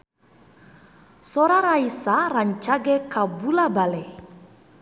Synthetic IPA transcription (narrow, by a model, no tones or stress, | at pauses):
sɔɾaɾaisaraɲt͡ʃaɡekabulabale